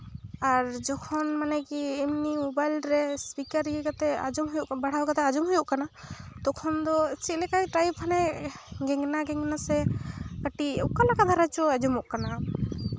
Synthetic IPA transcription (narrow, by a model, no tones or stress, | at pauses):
aɾd͡ʒɔkʰɔnmanɛkiːmnimubajlɾɛspikaɾjɛkat̪ɛa̰d͡ʒumɦujuʔbaɽ̤awkat̪ɛad͡ʒumɦujuʔkanat̪ɔkʰɔnd̪ɔt͡ʃʰit̪lɛkajʈɾajbʰanɛɡɛŋnaɡɛŋnasɛkəʈiɛ̰ʔkanakad̪ʱaɾat͡ʃɔad͡ʒumɔʔkana